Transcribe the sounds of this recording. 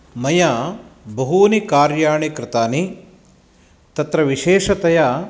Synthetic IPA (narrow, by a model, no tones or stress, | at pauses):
mɐjabɐɦuːnikaːɾjaːɳikɾɪt̪aːni | t̪ɐt̪ɾɐʋiʃeːʂɐt̪ɐja